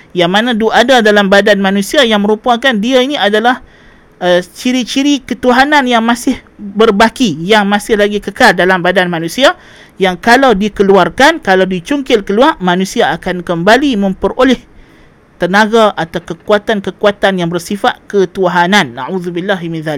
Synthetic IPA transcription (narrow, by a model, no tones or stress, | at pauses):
jaŋmãnãduʔadadalambadanmãnũsiajaŋmə̃ɾupakandiainĩadalah | ət͡ʃiɾit͡ʃiɾikət̪uɦanãnjaŋmãsɪh | bərbakijaŋmãsɪhlaɡikəkaldalambadanmãnũsia | jaŋkalawdikəluarkankalawdit͡ʃuŋkɪlkəluarmãnũsiaːkankəmbalimə̃mpərolɛh | t̪ənaɡaʔat̪awkəkuat̪ankəkuat̪anjaŋbərsifat̪̚kət̪uɦanãnːa̰ʕuðubilːaɦmɪ̃nðalɪk̚